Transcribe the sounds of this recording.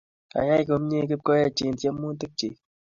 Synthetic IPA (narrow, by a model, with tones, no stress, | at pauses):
a̰˨ja˦jko˨mɲe˦k̬ɪ˦p̚ko˦ja˦˨t͡ʃi˨nt̪je˦mːu˦nt̪ɨ˦k̚t͡ʃi˨